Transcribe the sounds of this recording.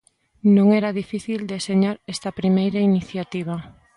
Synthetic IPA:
nõŋɛɾaðifiθild̪eseɲaɾest̪ɐpɾimejɾainiθjat̪iβ̞a

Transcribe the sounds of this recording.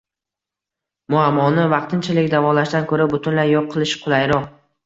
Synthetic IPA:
mʊamːɒnɪvɑqt̪ʰɪnt͡ʃʰalɪkʲd̪avɒlaʃd̪ankʰɵɾabʊt̪ʰʊnlaɾjɒqqʰːɨlˠɪʃqʰʊlˠajɾɒq̚

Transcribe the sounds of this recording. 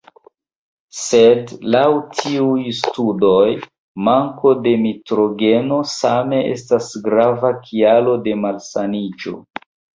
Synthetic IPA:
se̞dlawtʰiujstudo̞j | maŋko̞de̞mitɾo̞ɡe̞no̞same̞ʔe̞̰stasɡɾavakʰialo̞de̞malsanid͡ʒo̞̰

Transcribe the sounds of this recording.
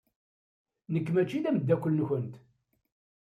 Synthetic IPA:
nəkːmæt͡ʃːiðæməd̪ːækʷːəlnçənt̪

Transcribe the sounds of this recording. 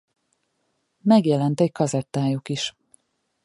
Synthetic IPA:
mɛɡjɛlɛnt̪ɛckɒzɛt̪ːaːjukiʃ

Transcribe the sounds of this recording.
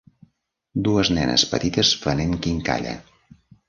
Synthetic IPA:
d̪uəznɛnə̰spət̪it̪əsfəneŋkiŋka̰ʎə̰

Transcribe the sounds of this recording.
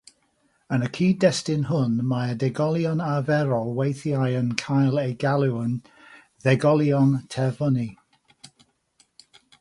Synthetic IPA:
ənəkʰiːdɛstɪnɦʊnmaədɛɡɔlˠjɔnavɛɾɔlˠwejθjajənkʰajlˠejɡalˠɪwən | ðɛɡɔlˠjɔntʰɛvɔni

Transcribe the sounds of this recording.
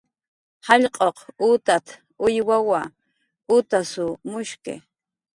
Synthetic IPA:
hɑʎqʼoqut̪at̪ʰ | ʊjwawa | ʊt̪asʊmʊʃkɪ̰

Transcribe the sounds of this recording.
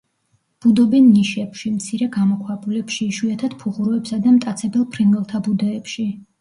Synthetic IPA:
b̥ud̪ɔbɛnːiʃɛpʃimt̪sʰiɾɛɡamɔkʰwabulɛpʃiːʃuat̪ʰat̪pʰuʁuɾɔɛpsad̪amt̪ʼat̪sʰɛbɛlˠpʰɾiŋɡɛlˠt̪ʰabud̪ɔːpʃi

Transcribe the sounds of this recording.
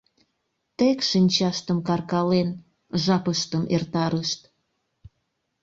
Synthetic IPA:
t̪ekʃinʲt͡ɕɑʃt̪əmkɑrkɑlen | ʒɑpəʃt̪əmʔert̪ɑɾəʃt̪

